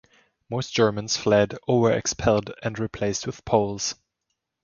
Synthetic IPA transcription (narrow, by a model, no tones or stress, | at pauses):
moʊsd̥ʒ̥ɜ˞mə̃nz̥flɛdəwə˞ɨ̰kspʰɛlˠdɨ̃nɹipʰl̥eɪst̚wɨð̥pʰoʊlˠz̥